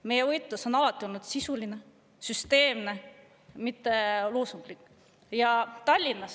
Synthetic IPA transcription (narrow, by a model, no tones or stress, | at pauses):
me̞jevɤjt̪ˑːuso̞nɑlɑt̪ːˑio̞lnud̪̥sisuline̞ | syst̪e̞ːmne̞ | mit̪ːe̞luːsuŋɡ̥likˑ | jɑt̪ɑlʲːinːɑs